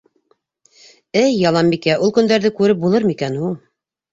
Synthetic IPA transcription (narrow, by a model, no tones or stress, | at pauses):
ɘjːɑlˠɑmbikæʔulˠkɵ̆nd̪æɾðɘkʉɾɘp̚bulˠɤɾmikænɦulˠ